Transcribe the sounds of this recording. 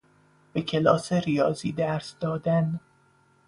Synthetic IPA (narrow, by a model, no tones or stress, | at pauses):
b̥ecʰe̞lɒːseɾijɒːzḭːd̪æɾsd̪̥ɒːd̪æn